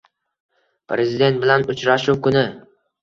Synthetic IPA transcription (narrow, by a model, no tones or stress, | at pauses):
pʰɾezɪd̪e̞nt̪̚bɪlanʊt͡ʃɾaʃuwkʰʊnɪ